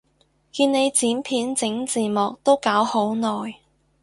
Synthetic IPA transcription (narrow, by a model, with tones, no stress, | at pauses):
kiː˧nne˨˧jt͡siː˨˥mpʰiː˨˥nt͡sɪ˨˥ŋt͡siː˨˩mɔː˨k̚t̪o˥wkaː˨˥who˨˥wnɔː˨˩j